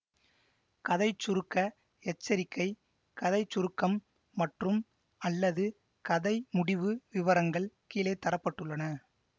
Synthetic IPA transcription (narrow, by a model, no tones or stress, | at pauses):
kɐðɐɪt͡ʃːʊɾɯkːɐ | ɛt͡ʃːɐɾɪkːɐɪ | kɐðɐɪt͡ʃːʊɾɯkːɐmː | ɐʈrɯm | ɐlːɐðɯ | kɐðɐɪmʊɽɪʋɯʋɪʋɐɾɐŋɡɐɭkiːlɐɪt̪ːɐɾɐpːɐʈːɯɭːɐnɐ